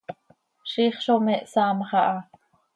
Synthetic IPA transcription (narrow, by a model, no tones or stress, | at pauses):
ʃiːχʃomeʔsɑːmχɑʔɑ